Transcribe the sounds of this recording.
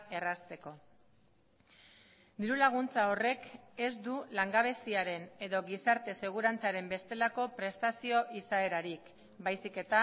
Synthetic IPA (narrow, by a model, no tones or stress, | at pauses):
e̞rast̪e̞ko̞ | d̪iɾulaɣ̞unt͡sao̞re̞ke̞zd̪ulaŋɡaβ̞e̞siaɾe̞ne̞ðo̞ɣisaɾt̪e̞se̞ɣ̞uɾant͡saɾe̞mbe̞st̪e̞lako̞pɾe̞st̪asio̞ʔisaeɾaɾik | bajsike̞t̪a